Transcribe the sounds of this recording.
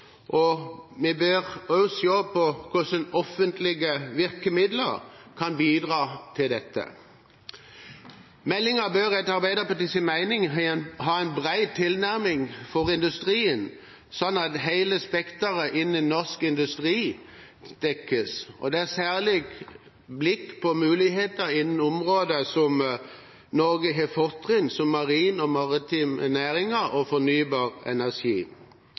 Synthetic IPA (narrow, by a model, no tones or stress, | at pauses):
ʔɔmɛbøːʁɔsjoːpʰɔkʰʊsənɔfənt̪ʰlɪɡəʋɪʁkəmɪd̪ləʁkʰɑnbiːd̪ʁɑːt̪ʰɪld̪ɛt̪ːə̰ | mɛlːɪŋəbøːʁɛt̪ɑʁbæɪd̪əpʰɔt̪ɪsɪnmæɪnɪŋɦɑːæɪnbʁæɪt̪ʰːɪlnæʁmɪŋfɔʁɪnd̪ʉst̪ʁiːən | sɔnːɑt̪ɦæɪləspɛkt̪əʁəʔɪnːənɔʁskɪnd̪ʉst̪ʁiː | d̪̥ɛkːəsɔ̰d̪ɛæʁsæːʁlɪɡ | blɪkːpʰɔmʉːlɪɦeːt̪əɾɪnn̩ʊmʁoːd̪əsɔm | nɔɡəɦɛfɔʁt̪ʁɪnsɔmːɑʁiːnɔmɑʁɪt̪ʰiːmɛnæːɾɪŋəɔfɔnyːbɑːʁɛ̰næʁʂḭː